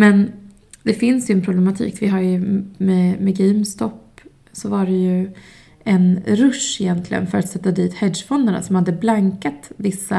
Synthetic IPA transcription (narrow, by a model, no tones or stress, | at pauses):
mɛn | d̪ɛfɪnsjɵɛnpʰɾʊblɛmat̪ʰḭːkvɪɦaɾjɵmɛmɛɡɛmst̪ɔpː | sɔvaɖɛjɵ | ʔɛnɾɵʂɪjɛnt̪ʰlɪɡə̰nfœɾat̪sɛt̪ːad̪iːt̪hɛd̪ʂfɔnd̪aɳa̰sɔmhad̪ːəblaŋkat̪vɪsːa